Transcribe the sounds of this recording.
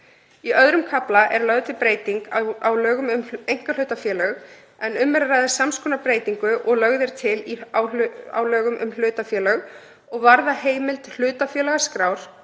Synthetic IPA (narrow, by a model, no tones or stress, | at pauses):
iœðɾʏmkʰaplaʔɛɾlœɣðt̪ɪpɾeːjt̪iŋkawlœːɣʏmʏmejŋ̥kalʏːt̪afjɛːlœɣ | ɛnʏmːɛɾɾajðɪ̥samskʰɔnapɾeːjt̪iŋkʏʔɔɣlœɣðɪɾ̥t̪ʰɪliawa̰wlœːɣʏmʔʏ̰ml̥ʏːt̪afjɛːlœɣ | ɔɣvaɾðaheːjmɪlt̪l̥ʏːt̪afjɛːlaɣaskɾaːwɾ̥